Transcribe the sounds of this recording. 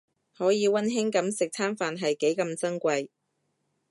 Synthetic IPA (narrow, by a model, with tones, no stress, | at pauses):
hɔː˨˥jiː˨˧wɐ˥nɦɪ˥ŋkɐ˨˥msɪ˨k̚t͡sʰaː˥nfaː˨nɦɐ˨jke˨˥jkɐ˧mt͡sɐ˥ŋkʷɐ˧j